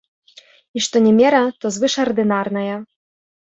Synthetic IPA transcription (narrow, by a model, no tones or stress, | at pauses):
iʂt̪ɔnʲɛmʲɛɾɐt̪ɔzvɨʂɐrd̪ɨnarnɐjɐ